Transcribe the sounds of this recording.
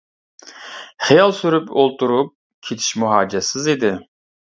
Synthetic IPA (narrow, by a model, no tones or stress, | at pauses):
χijɑlˠsyɾypʰolˠt̪ʰuɾup̚ | kʲʰet̪ʰi̥ʃmuɦɑːd͡ʒɛsɪzid̪ɪ